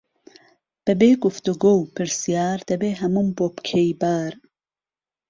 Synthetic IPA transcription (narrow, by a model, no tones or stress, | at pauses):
b̥ɐbeːɡuft̪uɡowpʰɨɾsijaːɾd̪̥ɐbeːɦɐmumbopkʰejbaːɾ